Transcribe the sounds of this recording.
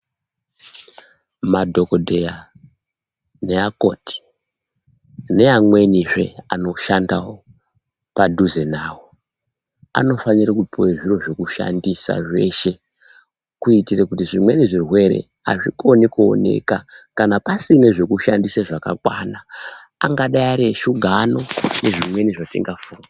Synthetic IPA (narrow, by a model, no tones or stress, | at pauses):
madʱo̞kodʱeja | ne̞ako̞ti̥ | ne̞amwe̞niʐe̞ano̞ʃandawo̞ | padʱuzenaːwo | a̰no̞faɲirakupʰoeʐiro̞ʐe̞kuʃa̰ndisa̰ʐe̞ʃe̞ | kuitirekutiʐimwe̞neʐirwe̞ɾe̞̰ | a̰ʐiko̞nikuo̰ne̞̰kakanapasine̞ʐe̞kuʃandisaʐaka̰kwanaː | ŋɡaɗaiaɾeʃuɡʱano̞neʐimwe̞niʐatiŋɡafur